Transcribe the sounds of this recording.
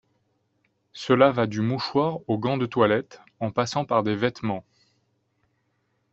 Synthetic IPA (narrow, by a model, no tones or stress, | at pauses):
səlavad̪ymuʃwaʁoɡɑ̃d̪ət̪walɛt̪ | ɑ̃pasɑ̃paʁd̪evɛt̪mɑ̃